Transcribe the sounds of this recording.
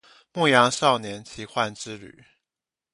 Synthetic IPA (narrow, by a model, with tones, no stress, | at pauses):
mu˥˩jɑ˧˥ŋʂɑ˥˨ʊnjɛ˨˦nt͡ɕʰi˧˥xwa˥˨nʈ͡ʂɻ̩˥˦ly̰˨˩˦